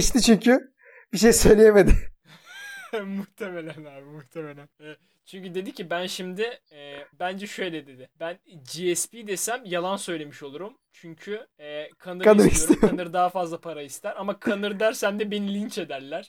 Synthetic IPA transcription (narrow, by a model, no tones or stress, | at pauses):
iʃt̪it͡ʃʰyɲcʰy | b̥iʃ̬ejsø̞jlʲejemed̪ɪ | muht̪ʰemelʲænaːbimuht̪ʰe̞me̞lʲænɛ | t͡ʃʰyɲcyd̪e̞d̪icibænʃimd̪ɪɛbænd͡ʒɛʃø̞jlʲɛd̪e̞d̪ɪbænd͡ʒiɛspid̪e̞sæmjalˠansø̞jlʲe̞miʃo̞lˠuɾum | t͡ʃʰyɲcʰyɛkʰanɯɾkanɯɾist̪ijoaɯɾd̪aɦafazlˠapʰaɾaist̪ʰæɾamakʰanɯɾd̪æɾsænd̪ɛbe̞nilʲint͡ʃe̞d̪æɾlʲæɾ̥